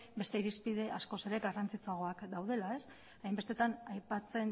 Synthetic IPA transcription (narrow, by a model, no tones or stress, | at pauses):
be̞st̪e̞iɾispiðe̞asko̞se̞ɾe̞ɡarant͡sit͡suaɣ̞o̞akd̪awð̞e̞lae̞s | ajmbe̞st̪e̞t̪anajpat͡se̞n